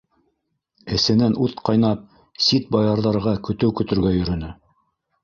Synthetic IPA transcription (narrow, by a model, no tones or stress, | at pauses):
ɘ̆sɘ̆nænʉðqɑjnɑp̚ | sit̪̚bɑjɑɾðɑɾʁɑkɵ̆t̪ɘwkɵ̆t̪ɵ̆ɾɡæjɵ̆ɾɵ̆nɘ